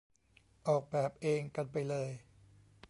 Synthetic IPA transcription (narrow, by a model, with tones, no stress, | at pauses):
ʔɔː˨˩k̚bɛː˨˩p̚ʔeː˧ŋka˧npa˧jlɤː˧j